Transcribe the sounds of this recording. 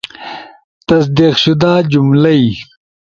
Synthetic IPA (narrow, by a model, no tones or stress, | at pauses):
t̪ɐs̬d̪iqɕud̪aːd͡ʑumlɐi